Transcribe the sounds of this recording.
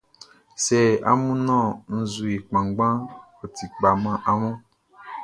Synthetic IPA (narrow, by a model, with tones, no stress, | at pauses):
sɛ˨a̰˦mũ˦nɔ̃˦˨n̩˨zu˨e˨k͡pã˨ŋ˦ɡ͡bã˦ | o˨ti˨k͡pa˨mã˨ʔa˦mũ˦